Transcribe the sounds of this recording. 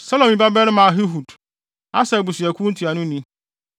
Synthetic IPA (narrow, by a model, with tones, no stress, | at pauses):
sa˦lɔ̃˨mĩ˨˦ba˦bɛ˦lmã˨ɦɪ˦ɦu˨d | a˦sɛ˨bu˨sʊ˨ɛ˨kʰũ˦n̩˦tʰi˨a˨nʊ̃˦nĩ˦